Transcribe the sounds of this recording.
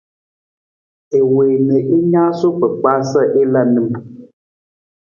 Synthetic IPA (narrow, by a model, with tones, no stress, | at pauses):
e˨weː˨mẽ˨ʔe˦ɲã˦so˦k͡pə˨k͡pa˦sə˦ʔe˦lə˦nɨ̃˨m